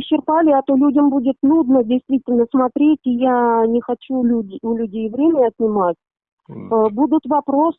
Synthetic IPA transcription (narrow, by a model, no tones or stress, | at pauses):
ɕːɪrpalʲɪat̪olʲudʲəmbudʲɪt̪nud̪nədʲɪjst̪vʲitʲɪlʲnəsmɐt̪ɾʲetʲijanʲɪxɐt͡ɕuuʊlʲʉdʲejvɾʲemʲɪnʲɪɐt̪̚ʲnʲɪmatʲ | bud̪ʊt̪vɐpɾo̞s